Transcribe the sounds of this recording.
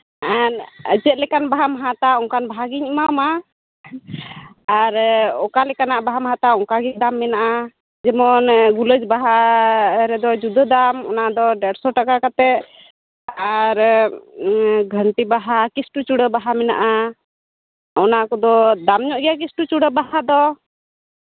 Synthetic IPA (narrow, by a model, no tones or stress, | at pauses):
ɛnə̰d͡ʒət̪̚lɛkanbaɦamaɦãt̪aɔŋkanbaɦaɡiɲəmama | aɾɔkalɛkanaʔbaɦamaɦãt̪aɔŋkaɡid̪amːɛnaʔa | d͡ʒɛmɔnɡuləd͡ʒbaɦa | ɾɛd̪ɔd͡ʒud̪əd̪amɔ̰nad̪ɔɖɛɽsɔʈakakat̪ɛʔ̚ | aɾ | ɡʱəɳʈibaɦakisʈut͡ʃuɽəbaɦamɛna̰ʔa | ɔnakɔd̪ɔd̪amɲɔʔɡɛjak̬isʈut͡ʃuɽəbahad̪ɔ